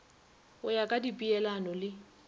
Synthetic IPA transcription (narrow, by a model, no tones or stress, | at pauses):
ʊjakʼadipʼiɛlanɔlɪ